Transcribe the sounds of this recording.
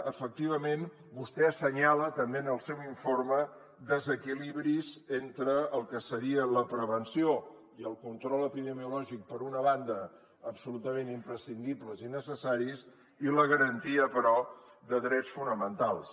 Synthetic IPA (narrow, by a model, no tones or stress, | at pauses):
əfək̚t̪iβ̞əmen | bust̪ɛsəɲalət̪əmbenəlˠsɛwiɱformə | d̪əzəkiliβɾizent̪ɾəəlˠkəsəɾiələpɾəβənsio | iəlˠkunt̪ɾɔləpiðəmiulɔʒik̚pəɾunəβand̪əː | psulut̪əmenimpɾəsind̪ibləzinəsəsaɾis | iləɣəɾənt̪iəpəɾɔðəðɾɛt͡sfunəmənt̪alˠs